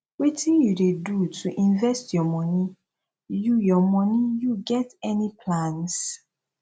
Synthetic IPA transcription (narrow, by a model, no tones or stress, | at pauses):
witĩnjudedutʰuʔĩnvɛstjɔmɔ̃ni | jujɔmɔ̃nijuɡɛtɛnipʰlãns